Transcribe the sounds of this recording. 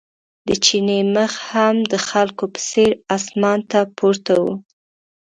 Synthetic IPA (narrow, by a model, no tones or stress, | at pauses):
d̪ət͡ʃineməxhamd̪əxalkopə̥seɾɑsmɑnt̪apʰoɾt̪awu